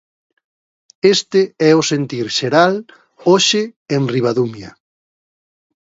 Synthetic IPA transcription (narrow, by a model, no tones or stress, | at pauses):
est̪ɪɛʊsent̪iɾʃeɾal | oʃɪenriβ̞aðumjɐ̰